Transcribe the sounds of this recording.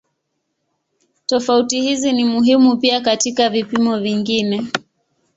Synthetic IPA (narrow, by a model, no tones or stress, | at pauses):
tɔfautihizinimuɦimupiakatikavipimɔviŋɡinɛ